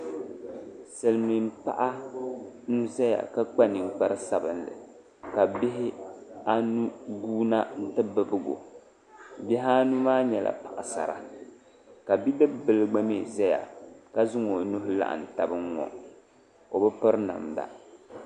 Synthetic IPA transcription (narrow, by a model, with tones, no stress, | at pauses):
sɨ˨lmi˨m̩˦pa̰˦ʔa˦ | nu˦zɛ˦ja̰˨ka˦k͡pa˦nɨ˨ŋ̩˦˨k͡pa˦ɾɨ˦sa˦bɨ˦nlɨ̰˨ | ka˨bɪ˦ɦɪ˦a˦nu˦ɡuː˦na˦n̩˦tɨ˦bɨ˦bɨ˦ɡo̰˨ | bi˦ɦaː˦nu˦maː˦ɲɛ˨lʔa̰˨pa˨ʔa˨sa̰˨ɾa̰˨ | ka˨bi˦dɨ˦bbɨ˨lɨ˦ɡ͡ba˦me˦˨za˦ja̰˨ka˦zʊ˦ŋo˨nu˦ɦʊ˦la̰˦ʔa̰˨n̩˨ta˨bɨ˦ŋŋɔ̰˨ | o˨bɨ˦pɨ˦ɾna̰˨m˨da̰˨